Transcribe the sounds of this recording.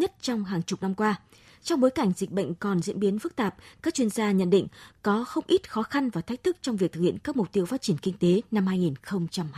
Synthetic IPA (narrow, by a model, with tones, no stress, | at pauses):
ɲə˦˥t̚t͡ɕɔ˧wŋ͡mɦaː˨˩ŋt͡ɕʊ˨˩k͡p̚na˧mkwaː˧ | t͡ɕɔ˧wŋ͡mɓo˨˦jka˧˩jŋ̟zi˨˩k̟̚ɓə̰˧˨jŋ̟kɔ˨˩nzḭ˧˥ənɓi˨˦ənfɨ˦˥k̚t̪aː˨˩p̚kaː˦˥k̚t͡ɕwi˧ənzaː˧ɲə̰˧˨nɗḭ˧˨ŋ̟kɔ˨˦xə˧wŋ͡mʔi˦˥t̚xɔ˨˦xa˧nvaː˨˩t̪ʰjk̚t̪ɨ˦˥k̚t͡ɕɔ˧wŋ͡mvi˨˩k̪̚ɨ˨˩khḭ˧˨ə˨nkaː˦˥k̚mʊ˨˩k͡p̚t̪i˧əwfaː˦˥t̚t͡ɕi˧˩nkï˧ŋ̟t̪e˨˦na˧mhaː˧jŋi˨˩nxə˧wŋ͡mt͡ɕa˧mː˧